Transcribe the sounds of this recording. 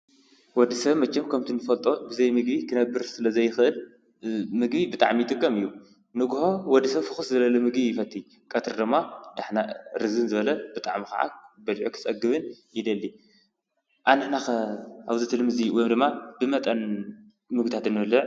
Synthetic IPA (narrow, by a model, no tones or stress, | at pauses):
wɔd̪ːisɐβmɐt͡ʃːɛmkʰɐmt̪ʰinːɨfɐlt̪ʼo̞bɨzɐjmɨɡbikʰɨnɐbːɨɾsɨlɐzɐjːɪxʔɨl | mɨɡbibɨt̪ʼa̰ʕmijɪt̪ʼɨkʼːɐmɨjːu | nɨɡho̞wɔd̪ːisɐβfɨxɨszɐlɐlɐmɨɡbijɪfɐt̪ʰʼːi | kʼɐt̪ʰɨɾd̪ɨmːad̪aħnaɾɨzɨnzɨβɐlɐb̥ɨt̪ʼa̰ʕmikɐ̰ʕa̰bɐlʕokʰɨ̥t͡sʼɐɡɨβɨnjɪd̪ɐlːi | ʔanːɨħnaaβzɨt̪ʰɨlmɨziwjmd̪ɨmːab̥ɨmɐt̪ʼɐn | mɨɡ̚it̪ʰat̪ɨnːɨɨlːɨʕ